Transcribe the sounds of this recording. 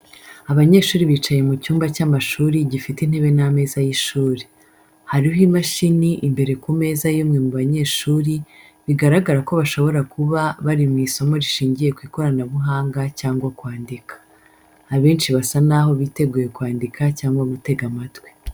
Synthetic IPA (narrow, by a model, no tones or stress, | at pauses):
aβaɲe̞ːʃuːɾiβiːt͡ʃaje̞mucuːmbacamaʃuːɾiɟifitin̥he̞βe̞name̞ːzajiʃuːɾi | haɾiɦimaʃiniʔimbe̞ɾe̞kume̞ːzajimŋe̞muβaɲe̞ːʃuːɾi | βiɡaɾaɡaɾako̞βaʃo̞βo̞ɾakuβaβaɾimŋiːso̞mo̞ɾiʃiːɲɟije̞kwiːko̞ɾanaβuɦaːŋɡacaːŋɡwakwaːndikḁː | βe̞ːnʃiβasanaho̞βite̞ɡuːje̞kwaːndikʰacaːŋɡwamute̞ɡamatwe